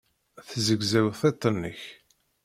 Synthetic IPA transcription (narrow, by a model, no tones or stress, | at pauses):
θzəɡzæwθet̪ˤːənːəç